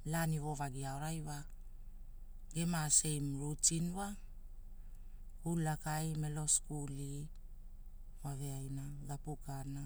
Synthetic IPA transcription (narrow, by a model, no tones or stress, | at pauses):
laniβo̞βaɡiaoɾajwa | ɡe̞mase̞jmɾutinwa | kulːakajme̞lo̞skuli | waβe̞ajnaɡapukana